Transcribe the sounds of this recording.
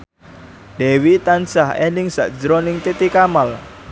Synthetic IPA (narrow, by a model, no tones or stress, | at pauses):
d̪̥ɛwit̪ansahɛ̰nɪŋsa̰ʔd͡ʒəɾɔnɪŋt̪it̪ikamal